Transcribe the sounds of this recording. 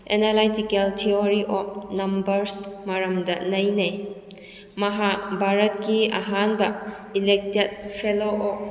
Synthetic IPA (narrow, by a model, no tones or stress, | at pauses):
enalajtikeltʰioɾiʔɔp̚nɐmbɐɾsmɐɾɐmdɐnɐjnɐj | mɐɦabʱaɾɐt̚kiɐ̰ɦanbɐ | ilek̚tet̚pʰeloʔɔp̚